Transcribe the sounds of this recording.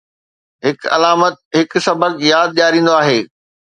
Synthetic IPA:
ɦɪkɐ̰laːmət̪̚ɦɪksɐbʱəkjaːd̪̚ɗijaːɾĩːn̆d̪oaːɦeː

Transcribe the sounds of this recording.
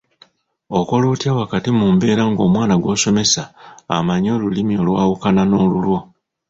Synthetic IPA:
okolutjawakatimuːmbe̞ːɾaŋɡo̞ːmwaːnaɡwo̞ːso̞me̞sa̰ːmaɲo̞ːlulimio̞lwaːwukanano̞ːlulwo̞

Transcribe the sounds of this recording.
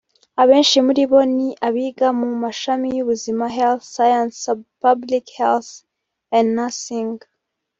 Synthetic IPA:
aβe̞ːnʃimuɾiβo̞niʔaβiːɡamumaʃamijuβuzimaɦelθːajanspablikhelθ | ãndnasiŋ

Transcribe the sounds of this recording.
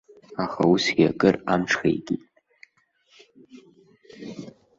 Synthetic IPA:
aχausiakʼɨramʈ͡ʂʰχḛjkʼitʼ

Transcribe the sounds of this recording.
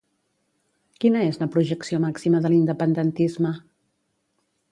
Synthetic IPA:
kinəezləpɾuʒəksiomaksiməðəlind̪əpənd̪ənt̪izmə

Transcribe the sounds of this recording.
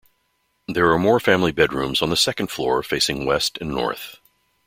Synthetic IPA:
ðə˞ːmɔɹfæ̃mlibɛd̚ɹʉ̰̃mzn̩ðəsɛkɨ̃nd̥flɔ̰ɹfeɪsɪ̃ŋwɛstɨ̃nːɔ̰ɹθ

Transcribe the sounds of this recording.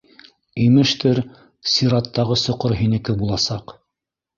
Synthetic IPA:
imɘ̆ʃt̪ɘɾ | sʲiɾɑt̪ːɑʁɤsŏqoɾɦinɘ̆kɘbulˠɑsɑq

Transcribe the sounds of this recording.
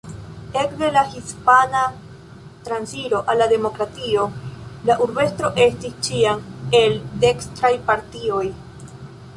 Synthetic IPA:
e̞kde̞lahispana | t̪ɾansiɾo̞ʔalːade̞mo̞kɾatio̞laʔuɾbe̞stɾo̞ʔe̞stist͡ʃiame̞lde̞kstɾajpaɾtio̞j

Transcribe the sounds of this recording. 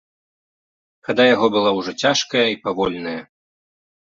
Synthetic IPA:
xad̪ajaɣɔbɨlˠawʐɔt͡sʲaʂkɐjɐipavɔlʲnɐjɐ

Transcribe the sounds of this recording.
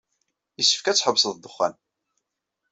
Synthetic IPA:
jəsːə̥fkæt͡sːħəbsðd̪əχːæ̰n

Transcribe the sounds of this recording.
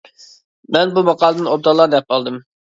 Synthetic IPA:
mɛnbumɑqɑːlˠəd̪ɨnob̚d̪ɑlˠɑɾd̪ɛp̚ɑlˠd̪ɨm

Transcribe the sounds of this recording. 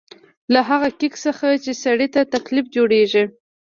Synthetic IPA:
laɦaɣakɪksəxat͡ʃesaɽit̪at̪aklifd͡ʒoɽeʒi

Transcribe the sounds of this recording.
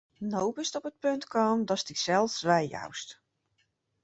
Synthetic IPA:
nowpɪstɔpət̚pøntkɔːndɔstiksɛlˠfsʋɛjja̰wst

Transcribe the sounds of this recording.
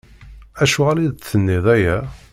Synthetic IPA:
æʃuʁaliðt͡sːənːiðˤæjæ

